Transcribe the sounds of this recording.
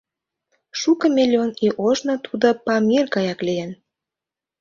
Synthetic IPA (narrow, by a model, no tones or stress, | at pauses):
ʃukə̆milʲoniʔoʒnŏt̪ʰud̪opɑmirkɑjɑklijen